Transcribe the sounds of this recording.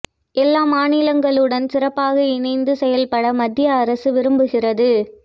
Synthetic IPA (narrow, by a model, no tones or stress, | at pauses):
ʔɛlːaːmaːnɪlɐŋɡɐɭɯɽɐnsɪrɐpːaːɣɐɪnɐɪnd̪ɯsɛjɐlpɐɽɐmɐd̪ːɪjɐːɾɐsɯʋɪɾɯmbɯɣɪrɐðɯ